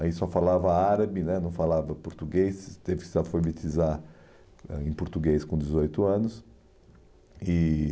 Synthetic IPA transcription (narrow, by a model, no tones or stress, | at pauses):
aisɔfalavɐaɾɐbɪnɛnɐ̃w̃falavɐpoɾt̪uɡest̪evɪkɪʒafoɾvit̪iza | ɛ̰ẽpoɾt̪uɡeskõd͡ʒ̪ɪzojt̪ʊɐ̃nʊs | ɪ